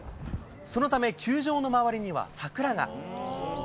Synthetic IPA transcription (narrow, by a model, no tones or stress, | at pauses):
so̞no̞t̪ame̞kʲʰɨːʑo̞ːno̞maβ̞aɾʲiɲ̟iβa̰sakɯ̟ɾaŋa̰